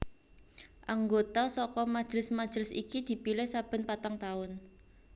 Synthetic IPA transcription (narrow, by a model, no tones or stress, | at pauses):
ʔaŋɡot̪asɔkɔmḁʒ̥ɾɪsmḁʒ̥ɾɪsḭkid̪̥i̤pilɪhsab̥ə̤npat̪aŋt̪aʊn